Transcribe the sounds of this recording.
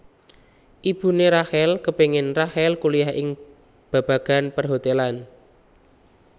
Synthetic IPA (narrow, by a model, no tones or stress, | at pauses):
ʔib̥ṳneɾahɛlkəpeŋɪnrahɛlkulijaɦɪŋ | b̥a̤b̥a̤ɡ̥a̤npərɦot̪elan